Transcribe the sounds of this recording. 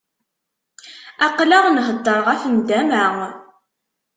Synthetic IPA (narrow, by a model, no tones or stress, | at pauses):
ɑqlaʁnɦəd̪ːəɾʁæfənd̪æmæŋ